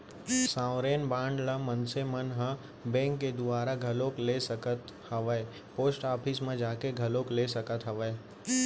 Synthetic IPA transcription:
sãːʋɾeːnbãːɳɖlamənsemənɦə̃ | bẽːŋkːed̪ʊʋaːɾaɡʱɐloːklesəkət̪hɐʋəe | poːsʈaːpʰismẽd͡ʒaːkeɡʱɐloːklesɐkət̪ɦɐʋəe

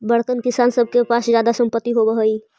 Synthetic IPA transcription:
bəɽkənkɪsaːnsəb̚ʱkepasd͡ʒjaːd̪asə̃mpət̪ːiɦobəɦəi

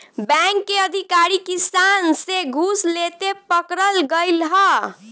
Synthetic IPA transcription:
bɛ̃ŋkːeəd̪ʱikaɾikisanseɡʱuslet̪epəkɾəlɡəɪlɦə

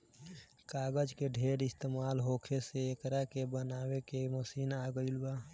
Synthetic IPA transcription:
kaɡəd͡ʒkeɖʱeɾist̪emalɦokʰeseːkɾakebənaːwekeməsiːnaɡəɪlba

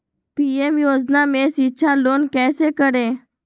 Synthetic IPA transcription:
piːeːmjoːd͡ʒnaːmẽːsit͡ʃʰaːloːnkɛːseːkəɾeː

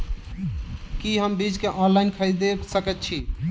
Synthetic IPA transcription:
kiɦəmbid͡ʒkeʔɔ̃nlajnkʰəjd̪esəkɛt̪t͡ʃʰi

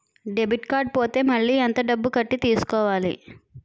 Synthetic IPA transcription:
ɖebʱiʈkaːɾɖ̚poːt̪e̞ːmɐɭːiːɐnt̪ɐɖɐbːukɐʈːit̪iːsu̥kɔːʋaːlḭ

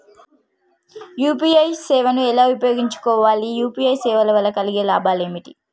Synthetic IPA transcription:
juːpiɐjsɛːʋɐnuɛlaːʋupɐjoːɡiɲt͡ʃu̥kɔːʋaːlijuːpiːɐjsɛːʋɐlɐʋɐlːɐkɐliɡeːla̰ːbaːle̞ːmiʈi

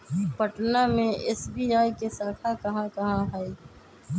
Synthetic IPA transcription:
pəʈnamẽɛsbiːaːikesəːkʰakɐɦãkɐɦãɦɛi

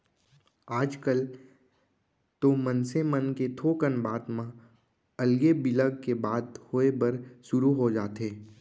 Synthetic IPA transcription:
aːd͡ʒkəl | t̪omənsemənket̪ʰoːkənbaːd̪mã | əlɡebɪləɡkebaːd̪hoːebəɾʃʊɾuɦod͡ʒaːt̪eː

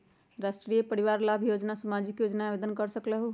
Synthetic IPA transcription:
ɾasʈɾijepəɾiʋaɾlabʱjod͡ʒnasəmad͡ʒikjod͡ʒnabed̪ənkəɾsəkləɦo

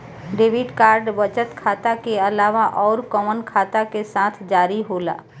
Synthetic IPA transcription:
ɖeːʋɪɖkaːɾɖbət͡ʃət̪kʰaːt̪akeəlaːʋaʔɔːɾkɔːmənkʰaːt̪akesãːt̪ʰd͡ʒaːɾiɦoːla̰ː

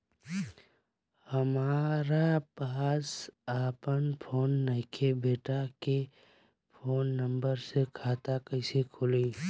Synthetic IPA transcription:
həmaːɾapaːsaːpənpʰoːnːəɪkʰebeːʈake | pʰoːnːə̃mbəɾsekʰaːt̪akəɪsekʰʊliː

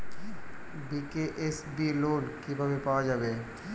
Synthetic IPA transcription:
bikeʔesbiloːlkibʱabepaːwad͡ʒaːbeː

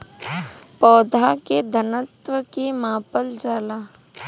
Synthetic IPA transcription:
pɔːd̪ʱaked̪ʱənət̪ʋəkemãːpəld͡ʒaːlaː

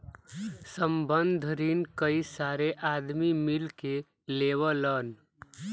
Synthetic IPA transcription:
səmbənd̪ʱɾiːnkəisaːɾeʔad̪mimilke | leːʋələn

